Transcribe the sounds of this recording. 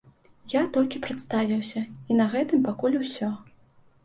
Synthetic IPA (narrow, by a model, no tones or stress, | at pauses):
jat̪ɔlʲkʲipɾat̪st̪avʲiwsʲɐinɐɣɛt̪ɨmpakulʲusʲɔ